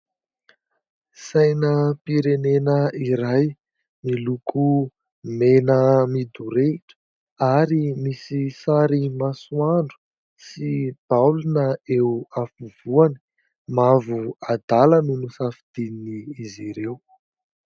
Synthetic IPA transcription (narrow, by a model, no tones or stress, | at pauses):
sajnəpiɾenenəiɾaj | milukʰu | menəmid̪uɾeiʈ͡ʂə̥ | aɾimisisaɾimasuaɳɖ͡ʐu̥ | sib̥awlunəewafuvuani̥ | mavuad̪aləninusafid̪̥ininiːziɾew